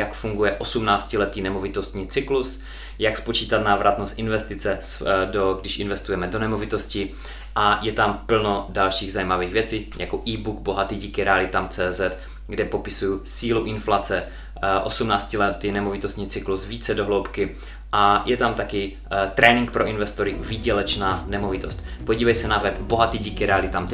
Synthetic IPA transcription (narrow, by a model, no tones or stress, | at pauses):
jakfuŋɡujɛʔosumnaːt͡scɪlɛt̪iːnɛmovɪt̪o̞st̪ɲiːt͡sɪklus | jakspot͡ʃiːt̪at̪naːvɾʔat̪nost̪ʔɪnvɛst̪ɪt͡sɛsdoɡdɪʃʔɪnvɛst̪ujɛmɛdonɛmovɪt̪o̞scɪ | ʔajɛt̪ampl̩no̞dalʃiːɣzajiːmaviːɣvjɛt͡siːjʔa̰koʔiːbuɡbo̞ɦat̪iːɟiːkɪɾɛalɪt̪amt͡sɛːzɛt̪ | ɡdɛpo̞pɪsujusiːluʔɪnflat͡sɛ | ʔo̞sumnaːt͡scilɛt̪ɪnɛmovɪt̪ost̪ɲiːt͡sɪklusviːt͡sɛdoɦlowpkɪ | ʔajʔɛt̪amt̪akɪ | t̪ɾʔɛːnɪŋkpɾoʔinvɛst̪oɾɪviːɟɛlɛt͡ʃnaːnɛmovɪt̪o̞st̪ | poɟiːvɛjsɛnavɛpboɦat̪iːɟiːkɪɾɛalɪt̪amt̪